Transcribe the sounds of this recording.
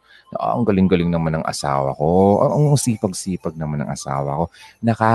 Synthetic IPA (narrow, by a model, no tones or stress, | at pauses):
oʔo̰ʔɐ̰ŋɡɐlɪŋɡɐlɪŋnɐmanɐŋʔɐ̰sa̰ːwɐ̰koʔɐ̰ʔɐŋɐŋsiːpɐɡ̚siːpɐɡ̚nɐmanɐ̰ŋʔɐ̰sa̰ːwɐko̞nɐka